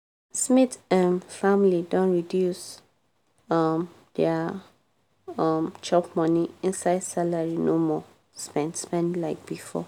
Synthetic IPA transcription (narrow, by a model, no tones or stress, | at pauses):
smitãnfamlidõnɹidjus | ʌm | d̥ɛa | ʌmd͡ʒɔpmɔniĩnsaɪdsalaɹinomɔ | spɛ̃nspɛ̃ndlaɪk̚b̥ifɔ̰